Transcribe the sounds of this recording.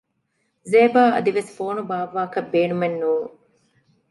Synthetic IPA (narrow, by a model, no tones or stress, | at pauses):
zeːbaːɐ̰d̪iʋesfoːnubaːʋːaːkɐbeːnumenːuː